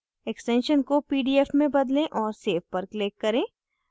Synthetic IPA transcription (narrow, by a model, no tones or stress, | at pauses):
ɛksʈɛ̃nʃənkopiːɖiːefmẽbɐd̪lẽʔɔːɾseːfpɐɾkleːkːɐɾẽː